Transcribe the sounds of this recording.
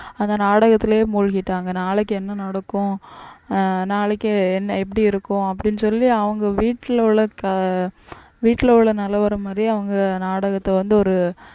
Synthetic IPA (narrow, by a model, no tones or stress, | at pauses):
ɐnd̪ɐnaːɽɐɣɐt̪ːɪleːmuːɻɣɪʈːaːŋɡɐnaːɭɛkːɛnːɐnɐɽɐkːʊ̃ | naːɭɛkːɐɛnːɐɛp̬ːɐɽiɪɾɯkːʊ̃ɐp̬ːɐɽɪnːɯsɔlːiɐʋɐŋɡɐʋiːʈːɪlɭɐɐ | ʋiːʈːɪlɐʋɭɐnɐlːɐʋɐɾɐmːaːd̪ɾiɐʋɐŋɡɐnaːɽɐɣɐt̪ːɐʋɐnd̪ɯɔɾɯ